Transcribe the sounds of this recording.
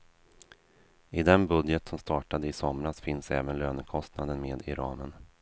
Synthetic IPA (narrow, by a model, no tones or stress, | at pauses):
ɪd̪ɛnbɵd̪jət̪sɔmst̪ɑːʈad̪əɪsɔmɾasfɪnsɛ̰ːvənløːnəkʰɔst̪nad̪ənmeːd̪ɪ̰ɾɑ̰ːmən